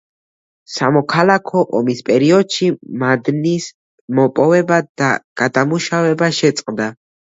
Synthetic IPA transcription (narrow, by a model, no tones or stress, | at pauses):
samɔkʰalˠakʰɔʔɔmispʼɛɾiɔd̪ʃimad̪nis | mɔpʼɔvɛbad̪̥a̰ɡ̥ad̪amuʃavɛbaʃɛt̪sʼqʼd̪a